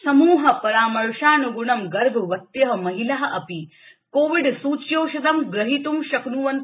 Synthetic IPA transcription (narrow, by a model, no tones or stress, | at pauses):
sɐmuːɦɐpɐɾaːmɐɾʃaːnuɡuɳɐmɡɐɾbʱʋɐt̪jɐɦɐmɐɦilɐɦɐ̆ʔɐpi | koːʋiɖsuːt͡ʃjoːʃɐd̪ɐmɡɾɐɦit̪umʃɐknuʋɐnt̪